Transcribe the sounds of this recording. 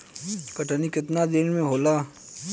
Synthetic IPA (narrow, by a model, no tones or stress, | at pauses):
kɐʈanikɪt̪nad̪ɪnmẽɦoːlaː